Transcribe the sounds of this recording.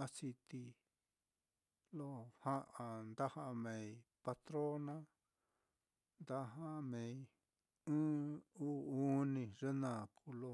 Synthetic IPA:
a˦si˧t̪i˧ | lo˦˧hã˦ʔã˧nd̪a˦hã˦ʔmẽ˨˧i˧pa˧t̪ɾo˦nã˦ | nd̪a˦ɦã˦ʔmẽ˧i˧ | ɨ̃ː˦uː˦u˦nĩ˧ʐe˦nã˧˨kʰu˧lo˧

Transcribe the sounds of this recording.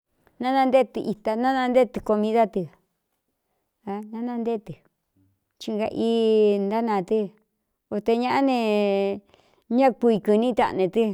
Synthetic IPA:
nã˦nã˧nd̪e˦t̪ɨ˧ʔi˧t̪a˧nã˦nã˧nd̪e˦t̪ɨ˧ko˧mĩ˧ða˦t̪i˧ | a˧nã˦nã˦˧nd̪e˦t̪ɨ˨ | t͡ʃi˧ŋɡa̰˧ʔi˦nd̪a˦nã˧˨t̪i˦ | o˧t̪e˧ɲã˦ʔa˦nẽ˧ | ɲã˦ku˧i˧kɨ˧nĩ˦t̪a̰˧nẽ˧t̪ɨ˦

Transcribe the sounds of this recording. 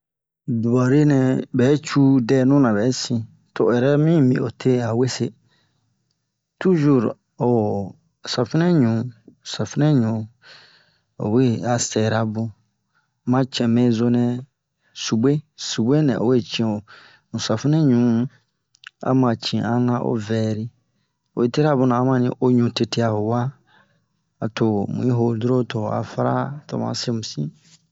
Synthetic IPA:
du˨ba˨ɾe˦nɛ̃˨bɛ˨˦t͡ʃʰu˦dɛː˦˨nʊ̃˦nã˨bɛ˨˦sĩ˨ | tʰʊ˨ɛ˨ɾɛ˦mĩ˦˨mĩ˨ɔ̰˨tʰe˦a˨we˦se˦ | tʰu˦ʒu˨ɾ | ɔ˨ɔ˨ | sa˨fɪ˦nɛ̃˦ɲũ˨˦˨sa˨fɪ˦nɛ̃˦ɲũ˨ | ɔ̰˨we˦a˨sɛ˨ɾa˦bʊ̃˦ | mã˦t͡ʃʰɛ̃˨mɛ̃˦zo˦nɛ̃˦ | su˨be˦su˨be˦nɛ̰̃˨ʔo̰˨we˦˨t͡ʃʰĩ˨o˨ | mũ˨sa˨fi˦nɛ̃˦ɲũ˨˦ | a̰˦mã˨t͡ʃʰĩ˨a˦nã˦ʔo̰˦vɛː˨ɾi˦ | o̰˨we˦˨te˦ɾa˦bʊ̃˦nã˨a˨˦mã˦nḭ̃˦ʔo˦ɲũ˨te˦tʰi˦a˨ho˨wa˦ | a˨tʰʊ˨mũ˨ĩ˦ɦo˨dɾo˦tʰɔ˨a̰˨fa˦ɾa̰˦tʰɔ̰˨mã̰˨˦sɾe˦˨mũ˨sḭ̃˦

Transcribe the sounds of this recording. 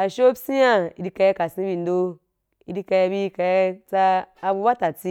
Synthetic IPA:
a˨ʃo˦bsi˦ja˦i˨˦di˦ka˧ja˦ka˨si˦bi˨n˦do˦ | i˦di˦ka˧ja˧bi˦ka˨ja˦t͡saː˧bu˧˦ba˦ta˨t͡si˦

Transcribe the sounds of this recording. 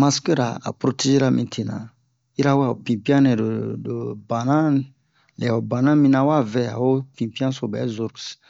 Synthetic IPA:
ma˨ske˦ɾa̰˨a̰˨pɾo˦te˦ʒe˦ɾa˦˨mĩ˨tʰe˨nã̰˨ | i˦ɾa˦wo˦a˨o˨pĩ˨pi˦ã˦nɛ˨o˨do˨bã˨nã˦ | lɛ˨o˨bã˨nã˦mĩ˦nã˨wa˦vɛ˦˨a̰˨wo˦pĩ˨pi˦ã˦so˨bɛ̰˨˦zu˦ɾks

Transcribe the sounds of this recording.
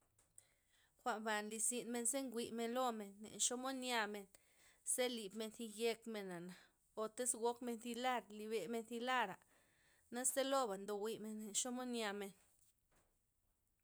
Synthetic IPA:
xʷa˨ʔmba˨nli˧si˧nme˧nze˦ŋɡʷi˧˨me˧nlo˦me˨nːḛ˨nʃo˦mo˦nja˧me˧n | se˦li˨bme˧nθi˧je˧kme˧na˨na˨ | o˨t̪e˦sɡo˦kme˧nθi˧la˦˨ɾli˧˨βe˨me˧nθi˧la˦˨ɾa˨ʔ | na˦st̪e˦lo˦ba˨nd̪o˨wi˧me˧ne˨nʃo˦mo˦nja˧me˧n

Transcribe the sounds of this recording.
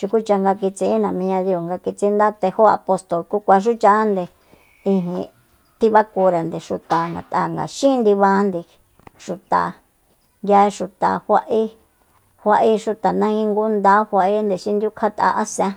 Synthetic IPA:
t͡ʃu˧ku˦t͡ʃa˧ŋɡa˧ki˧t͡si˧˦nã˨mĩ˧ɲã˧ði˧o˨ŋɡa˧ki˧t͡si˧˦nd̪a˦t̪e˧ho˦a̰˧po˧st̪o˨lku˦kʷa˧ʃ̬u˦t͡ʃa˦nd̪e˧ | ĩ˧ɦḭ̃˧ | t̪i˦βa˦ku˧ɾa˨nd̪i˨ʂu˧t̪a˨ŋɡa̰˨t̪a̰˨ŋɡa̰˨ʃĩ˦˧nd̪i˧βa˧˦nd̪i˧ | ʂu˧t̪a̰˨ | ɡʲa˧ʂu˧t̪a̰˨hʷa˧ʔi˦ | hʷa˦˧ʔi˦ʂu˧t̪a˨nã˦ĩ˧ŋɡu˦nd̪a˦hʷa˧ʔi˦nd̪e˧ʃĩ˦nd̪ju˦kʰa˦t̪a̰˧ʔa˦sã˦

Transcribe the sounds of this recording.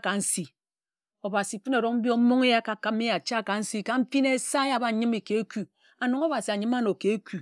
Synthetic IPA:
ka˨n̩˦si˨ | o˨ba˨si˨fɨ˦ne˨ɾo˦km̩˦bjo˦m̩˦mo˦ŋe˦ja˦ka˨ka˨˦mi˦ja˨t͡ʃa˦˨ka˨n̩˦si˦ka˨m̩˦fi˦ne˦sa˦a˨ba˦ɲɨ˦mi˨ke˨e˦ku˨ | a˨no˨ŋo˦ba˨si˨a˨ɲɨ˦ma˦no˨ke˨e˦ku˨

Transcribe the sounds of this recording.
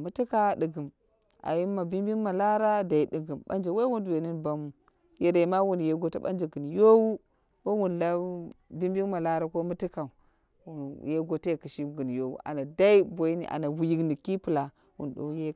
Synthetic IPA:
mu˦ti˦ka˨ɗɨ˨ɡɨ˨m | a̰˨ji˦mːa˨bi˦mbi˦nma˨la˦ɾa˦da˨i˨ɗi˨ɡɨ˨mɓa̰˦nd͡ʒa˨we˦wu˦ndu˨we˨ni˦nba˦mu˨ | je˨ɾe˨ma˦wu˦nje˨˦ɡo˦ta˦ɓa̰˦nd͡ʒa˨ɡɨ˨n˨jo˦wu˦ | wo˦wu˨n˨la˦bi˦mbi˦ŋma˨la˦ɾa˦ko˦mɨ˦ti˦ka˨u˨ | je˦ɡo˦te˦˨kɨ˨ʃi˦ɡɨ˨njo˦wṵ˦ʔa̰˨na˨da˦i˦bo˨i˦nḭ˨ʔa̰˨na˨wu˨ji˦kni˨ki˦pɨ˨la˨ | wṵ˨n˨ɗo̰˨˦je˦

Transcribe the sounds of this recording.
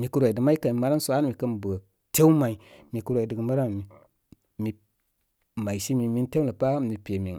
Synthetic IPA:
mi˨ku˦ɾo˨i˨də˨ma˦i˦ka˨i˨ma˨˦ɾa˦n˦su˨a˦n˦mi˨kə˦nbə˨ | te˦u˦ma˨i˨mi˨kə˨ɾo˨i˨də˨ɡə˨ma˦ɾa˦ni˨ | mi˨ | ma˨i˨ʃi˦mi˨mi˦n˦te˦lə˨pa˦˨mi˨pʲe˨mḭ˨ŋ

